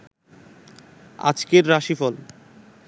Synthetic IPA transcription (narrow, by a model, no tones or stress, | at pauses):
a̰d͡ʑkeɾːaʃifɔl